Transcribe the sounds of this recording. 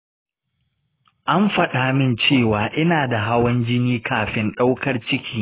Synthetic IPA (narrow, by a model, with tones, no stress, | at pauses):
ʔa˦mɸɐ˨ɗaː˨mɪ˦nt͡ʃeː˦˨waː˨ʔɪ˦naː˨da˨ɦa˦wɐ˦nd͡ʒɪ˦niː˦kʰaː˨ɸɪ˦nɗa˦wkʰɐ˦rt͡ʃɪ˦kʲiː˦